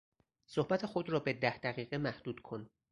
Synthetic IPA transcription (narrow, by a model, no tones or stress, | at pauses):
sohbæt̪ʰe̞xo̞d̪rɒːbe̞d̪æhd̪̥æɣiːɣemæhd̪̥uːd̪̥kʰo̞n